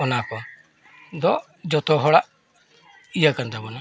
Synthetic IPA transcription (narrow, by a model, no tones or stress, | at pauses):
ɔnakɔ | d̪ɔ | d͡ʒɔt̪ɔɦɔɽaʔ | ijakant̪abɔna